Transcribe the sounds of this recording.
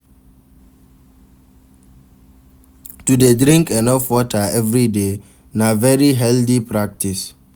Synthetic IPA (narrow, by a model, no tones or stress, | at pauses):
tudedɾĩŋkɛ̃nɔfwɔtaɛvɾide | navɛɹiɦɛldipɹak̚tis